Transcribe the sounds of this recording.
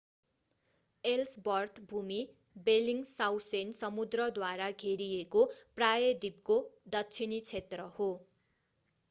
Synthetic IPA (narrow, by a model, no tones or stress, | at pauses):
elsbʌrt̪ʰbʱumi | beliŋɡsawsensʌmud̪rʌd̪waɾaɡʱeɾijekoprajʌd̪ib̚kod̪ʌtːt͡sʰinit͡sʰet̪rʌho